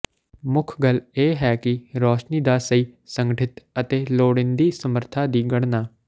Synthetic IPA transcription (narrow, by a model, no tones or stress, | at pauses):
mʊkʰɡəleːɦɛːkɪɾoːʃniːd̪aːsəiːsə̃ŋɡəʈʰɪt̪ət̪eːloːɽɪnd̪iːsəməɾt̪ʰaːd̪iːɡəɽnaː